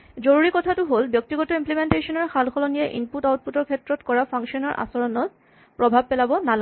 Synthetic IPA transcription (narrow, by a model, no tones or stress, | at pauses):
zoɹuɹikɔtʰatʊɦolbjɔk̚tiɡɔtɔimplimentesɔnɔɹxalxɔlɔnijɛʔḭnputawt̚putɔɹkʰɛtɹɔtkɔɹapʰaŋʃɔnɔɹʔa̰sɔɹɔnɔt | pɹɔbʱab̚pɛlabɔnala